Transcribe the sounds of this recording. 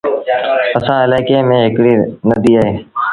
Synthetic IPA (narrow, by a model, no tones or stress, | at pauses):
əsãːɪlaːɪkeːmẽːɦɪkɽiːnəd̪ʱiːaːɦeː